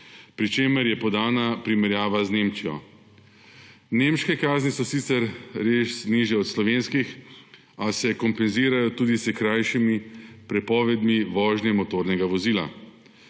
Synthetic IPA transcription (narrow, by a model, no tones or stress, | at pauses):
pɾit͡ʃeːməɾjɛpɔd̪aːnapɾimɛɾjaːʋazneːmt͡ʃijɔ̰ | neːmʃkɛkaːznisɔsit̪sɛɾɾeːʃniʒjɛɔt̪slɔʋeːnskix | asɛkɔmpɛnziːɾajɔt̪uːd̪isɛkɾaːjʃimipɾɛpɔːʋɛd̪miʋɔːʒnɛmɔt̪oːɾnɛɡaʋɔziːla̰